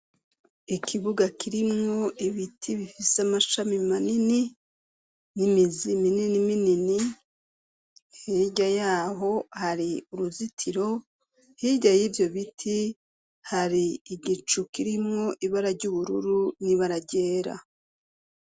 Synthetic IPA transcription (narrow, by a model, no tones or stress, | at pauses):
ikʰiβuɡakiɾimŋo̞ʔiβitʰiβifiseamaʃamimanini | nimizimininiminini | heɟajaːɦo̞haɾiuɾuzitʰiɾo̞ | hiɟajivjo̞βitʰi | haɾiːɡit͡ʃukiɾimŋo̞ʔiβaɾaɾɟuβuɾṵɾuniβaɾaɟeːɾa̰